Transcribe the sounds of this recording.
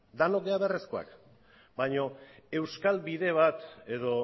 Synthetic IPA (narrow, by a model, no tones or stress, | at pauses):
d̪anokβeaβearesko̞a̰k | bajɲo̞e̞wskalβiðe̞β̞at̪e̞ðo̞